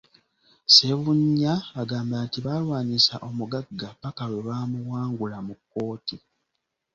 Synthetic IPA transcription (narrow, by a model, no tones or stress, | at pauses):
seβuɲːaːɡaːmbatiβalwaːnisa̰ʔo̞muɡaɡːapakaweβaːmuwaːŋɡulamukːo̞ːti